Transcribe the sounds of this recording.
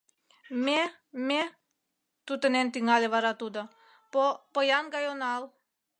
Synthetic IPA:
me | me | t̪ut̪ə̆nent̪iŋɑlʲeβɑɾɑt̪ud̪ɤ̆ | opɤjɑnɡɑjonɑl

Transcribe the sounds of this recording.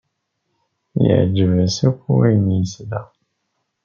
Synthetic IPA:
ja̰d͡ʒivəsikueɲisida

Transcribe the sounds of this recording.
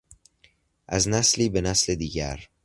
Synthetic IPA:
ʔæznæsliːbenæsled̪iːɟæ̰ɾ

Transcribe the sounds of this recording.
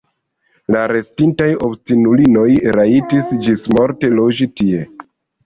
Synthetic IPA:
laɾe̞stintajo̞bstinulino̞jɾaitisd͡ʒismo̞ɾte̞lo̞d͡ʒitie̞

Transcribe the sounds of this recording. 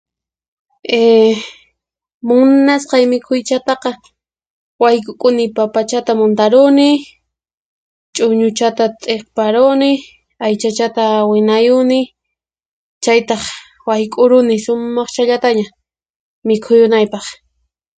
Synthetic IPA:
e | mʊnasqɑjmɪkʰʊjt͡ʃat̪ɑqɑ | wajkʼʊkʼʊnɪpapat͡ʃat̪amʊnt̪aɾʊnɪ | t͡ʃʼʊɲʊt͡ʃat̪at̪ʼeχpaɾʊnɪ | ajt͡ʃat͡ʃat̪awɪnajʊnɪ | t͡ʃajt̪ɑχ | wajkʼʊɾʊnɪʃʊmːɑχt͡ʃaʎat̪aɲa | mɪkʰʊjʊnajpɑχ

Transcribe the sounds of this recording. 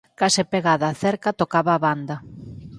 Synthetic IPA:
kasɪpeɣaðaθɛɾkat̪okaβaːβand̪a

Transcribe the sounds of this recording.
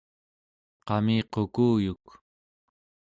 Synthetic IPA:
qɑmiːqokuːjuk

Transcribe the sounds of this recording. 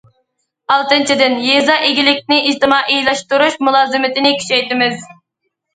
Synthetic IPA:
ɑlˠt̪ɨnt͡ʃʰid̪ɪnjezɑʔeɡʲilɪkʲnɪʔid͡ʒt̪ɨmɑːʔijlˠɑʃt̪uɾuʃmulˠɑːzɨmɪt̪ɪnɪkʲʰy̥t͡ʃɛjt̪ɪmɪz

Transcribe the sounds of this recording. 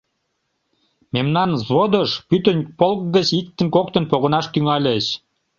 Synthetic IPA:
memnɑnzβod̪əʃpyt̪ə̆nʲpolk̚ɡət͡ɕik̚t̪ə̆nkokt̪ə̆npoɣə̆nɑʃt̪yŋɑlʲeʃ

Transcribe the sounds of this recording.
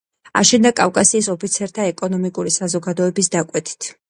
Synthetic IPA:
a̰ʃɛnd̪akʼafkʼasiːsɔpʰit̪sʰɛɾt̪ʰaɛkʼɔnɔmikʼuɾisazɔɡad̪ɔɛbisd̪akʼwɛt̪ʰʼi̥t̪ʰ

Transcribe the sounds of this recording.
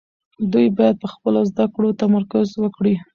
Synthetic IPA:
d̪ujbɑjad̪̚pəxpəlozd̪akɽot̪amaɾkʊzwəkɽi

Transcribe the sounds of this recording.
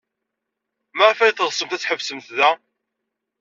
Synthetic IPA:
maʁfæjθəʁsəmt̪æt͡sːħəvsəmt̪ðæ

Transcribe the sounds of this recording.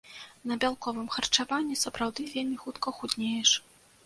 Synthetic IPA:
nɐbʲalˠkɔvɨmxɐrt͡ʂavanʲːisɐpɾawd̪ɨvʲelʲmʲixut̪kɐxud̪ʲnʲejɛʂ

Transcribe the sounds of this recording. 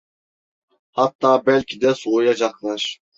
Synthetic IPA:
hɑt̪ːɑːbɛlʲkʰʲid̪ɛsuojɑd͡ʒɑχlˠɑɾ

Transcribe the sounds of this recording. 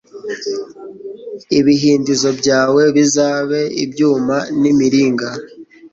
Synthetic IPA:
iβiɦiːndizo̞bɟaːwe̞βizaːβe̞ḭbɟuːmanimiɾiːŋɡa

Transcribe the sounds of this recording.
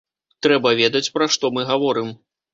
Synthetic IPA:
t̪ɾɛbɐvʲɛd̪ɐt͡sʲpɾaʂt̪ɔmɨɣavɔɾɨm

